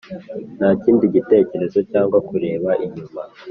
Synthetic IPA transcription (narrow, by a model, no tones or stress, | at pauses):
n̥aːciːndiɟite̞ːce̞ɾe̞zo̞caːŋɡwakuɾe̞ːβaʔiɲuma